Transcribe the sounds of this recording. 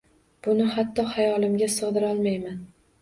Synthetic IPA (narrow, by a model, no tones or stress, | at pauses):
b̥ʊnɪhat̪ʰːɒhajɒlˠɪmɡʲasɨʁd̪ɪɾɒlˠmajman